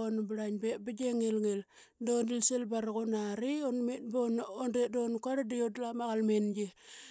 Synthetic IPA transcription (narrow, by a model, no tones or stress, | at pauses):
onbɾaɲbebiɡeŋelŋel | dondilselbaɾaɣonaɾionmetbonondedonkaɾadiodlamaɣalmenɡe